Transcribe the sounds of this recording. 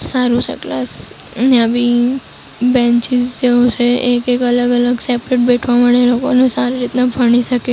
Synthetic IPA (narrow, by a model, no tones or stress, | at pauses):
saɾũt͡ʃʰḛklas | nabi | bɛ̃ɲt͡ʃid͡ʒd͡ʒeũt͡ʃʰeʔekekələɡələɡsɛpɾeʈ̚beʈʰʋamaɽelokonesaɾiɾit̪nabʱəɽ̃iʃəke